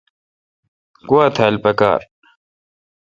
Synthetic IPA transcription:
kuwaːt̪ʰaːlpɐka̰ːɾ

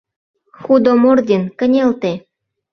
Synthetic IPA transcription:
xud̪omord̪ʲenkə̆nʲelt̪e

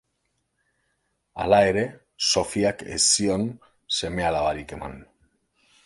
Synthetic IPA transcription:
a̰lae̞ɾe̞ | so̞fiakḛsio̞n | se̞me̞alaβaɾike̞ma̰n

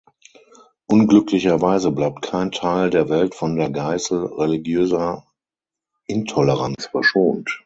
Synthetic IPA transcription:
ʔʊnɡlʏklɪçɐvaɪzəblaɪp̚t̚kʰaɪntʰaɪldeːɐvɛltfɔndeːɐɡaɪsl̩ʁeliɡjøːzɐ | ʔɪntʰɔləʁant͡sfɛɐʃoːnt

